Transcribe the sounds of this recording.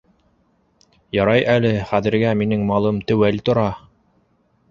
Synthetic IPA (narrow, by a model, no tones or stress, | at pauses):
jɑɾɑjʔælɘχæðɘ̆ɾɡæminɘŋmɑlˠɤmt̪ɵ̆wælt̪ŏɾɑ